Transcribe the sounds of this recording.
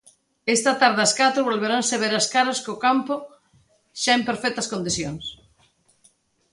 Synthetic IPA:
est̪ɐt̪aɾðeɐskat̪ɾʊβolβeɾaŋseβeɾɐskaɾɐskokampʊ | ʃaempeɾfɛk̚t̪ɐskõnd̪iθjoŋs

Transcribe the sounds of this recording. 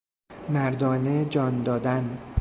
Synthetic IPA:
mæɾd̪ɒːned͡ʒɒːnd̪ɒːd̪æn

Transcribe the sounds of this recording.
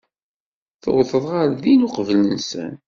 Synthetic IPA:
θə̰wθəðˤʁaɾðinuqəvlənsə̰n

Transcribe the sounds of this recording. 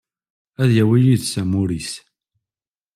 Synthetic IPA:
æðjæwijiðsæmʊɾis

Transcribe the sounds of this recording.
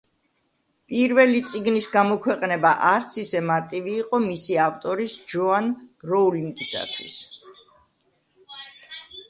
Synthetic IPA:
pʼiɾvɛlit̪sʼiɡnisɡamɔkʰwɛqʼnɛbaʔaɾt̪sʰisɛmaɾt̪ʼiviːqʼɔmisiaft̪ʼɔɾisd͡ʒɔanɾɔuliŋɡisa̰t̪ʰwḭs

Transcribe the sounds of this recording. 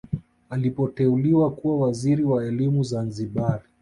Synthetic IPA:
alipɔtɛuliwakuwawaziɾiwaɛlimuzanziɓaɾi

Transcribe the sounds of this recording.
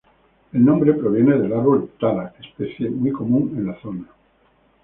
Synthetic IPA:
e̞lnõ̞mbɾepɾoβ̞je̞ne̞ðe̞laɾβolt̪alaespeθjemwujko̞mũŋenlaθo̞na

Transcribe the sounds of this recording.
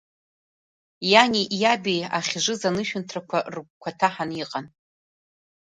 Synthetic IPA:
janʲiʔjabejaχʲʐʷɨzanɨʃᶣʏntʰrakʷʰarkʷkʷʰatʰaħaniqʼan

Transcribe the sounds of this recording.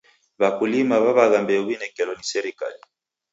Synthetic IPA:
βakulimaβaβaɣambɛuβinɛkɛlɔnisɛɾika̰li

